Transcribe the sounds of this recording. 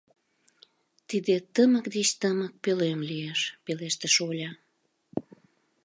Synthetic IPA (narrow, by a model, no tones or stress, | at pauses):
t̪id̪et̪əmək̚d̪et͡ɕt̪əmək̚pølemlieʃpeleʃt̪əʃolʲɑ